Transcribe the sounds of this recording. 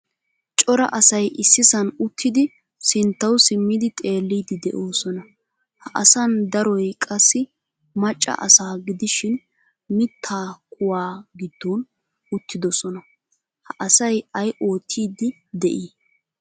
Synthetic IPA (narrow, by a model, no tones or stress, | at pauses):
t͡ʃʼɔɾɐ̰ʔɐsɐjʔɪsːɪsɐnʊt̪ʰːɪd̪ɪ | sɪnt̪ːɐwsɪmːɪd̪ɪt̪ʼe̞ːlːiːd̪ɪd̪ɛ̰ʔo̞ːsɔnɐ | hɐʔɐsɐnd̪ɐɾɔjkʼɐsːɪ | mɐt͡ʃʼːɐ̰ʔɐsaːɡɪd̪ɪʃɪn | mɪt̪ʰːaːkʼʊwaːɡɪd̪ːoːn | ʊt̪ʰːɪd̪ɔsɔnɐ | hɐʔɐsɐjɐjʔo̞ːt̪ʰːiːd̪ɪ | d̪ɛʔiː